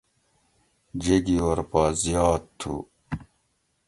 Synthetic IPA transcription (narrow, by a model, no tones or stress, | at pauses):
d͡ʑeɡiwɐɾpaːzijɑːt̪ʰːṵ